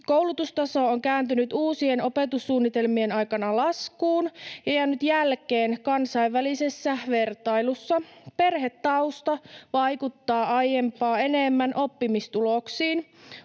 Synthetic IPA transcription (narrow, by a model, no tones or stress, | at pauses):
kowlut̪ust̪ɑso̞oŋkæːnt̪ynyt̪uːsieno̞pet̪usːuːnːit̪e̞lmienɑjkɑnɑlɑskuːnjɑjɑnːyt̪jælkeːnkɑnsɑiʋːælisesːæʋe̞rt̪ɑjlusːɑpe̞rɦet̪ːɑust̪ɑʋɑjkut̪ːɑːɑjempɑːe̞nemːænʔo̞pːimist̪uloksiːn